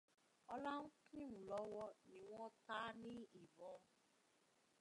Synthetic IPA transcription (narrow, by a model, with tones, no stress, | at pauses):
ɔ˦la˦ŋ̩˦ki˦ŋũ˨lɔ˧˦wɔ˧nĩ˨wʷɔ̃˦ta˦nĩ˦i˨vɔ̃˨˦